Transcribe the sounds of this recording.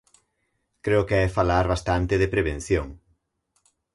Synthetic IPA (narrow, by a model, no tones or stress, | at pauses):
kɾeokeajfalaɾβast̪ant̪eðepɾeβen̟θjoŋ